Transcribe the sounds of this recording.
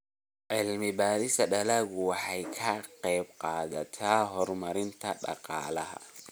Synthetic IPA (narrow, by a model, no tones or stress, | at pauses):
ʕɪlmɪbaːɾɪsɐɖɐlaːɣʊwɑħɑjkʰɐqɛjbqɑːðɐt̪ʰaːɦɔrmɐɾɪnt̪ʰɐɖɑ̰qɑ̰ːlɐɦɐ̰